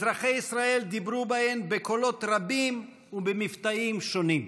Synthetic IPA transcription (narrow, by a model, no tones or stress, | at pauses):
zʁaχejisʁae̞ld̪ibɾubahembekolo̞t̪ɾabim | ubemift̪aimʃonim